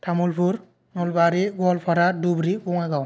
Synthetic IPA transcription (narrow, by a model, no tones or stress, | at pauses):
tʰamulpʰuɾ | nɔlbaɾiɡɔlpʰaɾadubɾikɔŋaɡaw